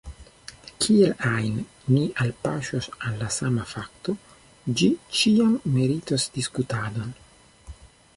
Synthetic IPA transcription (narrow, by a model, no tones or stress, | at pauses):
kʰielajn | miʔalpaʃosalːasamafakt̪o | d͡ʒit͡ʃiamːeɾitosdiskutadon